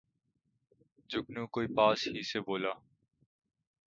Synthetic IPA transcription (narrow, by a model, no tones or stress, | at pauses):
d͡ʒʊknũːkoːiːpaːshiːseboːlaː